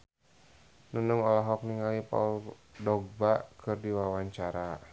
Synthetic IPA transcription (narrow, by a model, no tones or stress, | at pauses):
nənəŋɔlaɦɔk̚niŋalipa̰uldɔɡ̚bakɨrdiwawaɲt͡ʃaɾa